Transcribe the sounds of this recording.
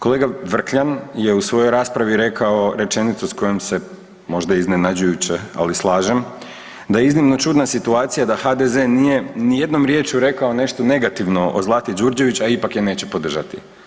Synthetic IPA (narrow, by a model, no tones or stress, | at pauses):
ko̞leɡaʋr̩kʎanje̞usʋo̞jo̞jɾaːspɾaʋiɾe̞kʰao̞ɾe̞t͡ʃe̞nit̪susko̞jemse̞ | mo̞ʒd̪aizne̞nad͡ʑujut͡ɕea̰lislˠaːʒem | d̪ajeiznimno̞t͡ʃuːd̪nasit̪uaːt̪sijad̪axad̪ezenije̞nije̞d̪no̞mɾje̞ːt͡ʃuɾe̞kao̞ne̞ʃt̪o̞ne̞ɡat̪iʋno̞ʔozlˠat̪jed͡ʒuɾd͡ʑe̞ʋit͡ɕaipakjene̞ːt͡ɕe̞po̞d̪r̩ʒat̪ḭ